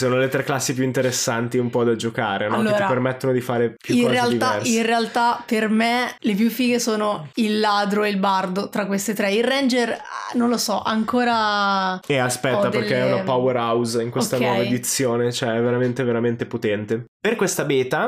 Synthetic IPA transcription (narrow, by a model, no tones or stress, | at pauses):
soːnolet̪ɾɛkːlasːipjuint̪eɾesːant̪iumpɔd̪ad͡ʒokaːɾenɔlːoeːt̪iapːermet̪ːonod̪ifaːɾepjuiknreald̪iaɛrinrealt̪apermelep̬jufiːɡesoːnoilːaːd̪ɾoeilbard̪ot̪ɾakːwest̪et̪ɾɛirɛnd͡ʒernõnlosɔʔaŋkoːɾa | easpɛt̪ːapd̪erkːeɛunapaweɾawziŋkweskt̪anwɔːvaed̪it̪sːjoːnet͡ʃoɛɛvːeɾament̪eveɾament̪epot̪ɛnt̪eperkwest̪abeːt̪a